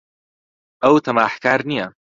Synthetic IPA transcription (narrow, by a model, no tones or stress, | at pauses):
ʔɐwt̪ʰɐmaːħkaːɾnijɐ